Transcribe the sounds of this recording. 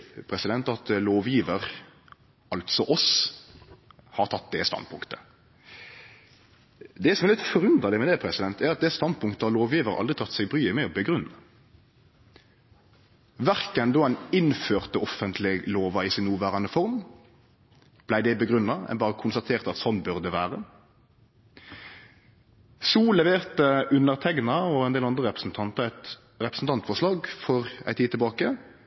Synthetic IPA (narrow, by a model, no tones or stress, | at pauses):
pʰɾɛsɪd̪ɛnt̪ɑt̪loːʋjiːʋəʁ | ɑlt̪sɔʔɔs | hɑʁt̪ʰɑt̪̚ːd̪ɛst̪ɑ̰nd̪̚pʰʊŋkt̪ə̥ | d̪ɛsɔmɛʁlɪt̪fɔɾʉnd̪ʁəlɪmɛd̪ɛpʰɾɛsɪd̪ɛnt̪æɾɑt̪̚d̪ɛst̪ɑnd̪̚pʰʊŋkt̪əhɑɾloːʋjiːʋəɾəʔɑ̰ld̪ʁɪt̪ʰɑt̪ːsɛɡbɾyːəmɛɔbəɡɾʉnːɑ | ʋæʁkənd̪oːæɪnɪnføːʁt̪əɔfːənt̪ʰlɪɡloːʋɑisɪnnːuːʋæːʁɑnəfɔʁm | b̥læɪd̪ɛbəɡʁʉnːɑɛ̰nbɑːʁəkʰʊnst̪ɑt̪ʰeːʁt̪əɑt̪sɔnbʉʁd̪əʋæːʁə | suːlɛʋeːʁt̪əʔʉnəʁt̪ʰɛɡnɑɔɛnd̪eːlɑnʁəʁɛpʁəsn̩t̪ʰɑnt̪ɑæɪt̪ | ʁɛpʁəsn̩t̪ɑnt̪fɔʁʂlɑːɡfɔʁæ̰ɪt̪ʰiːt̪ʰɛlbɑːkə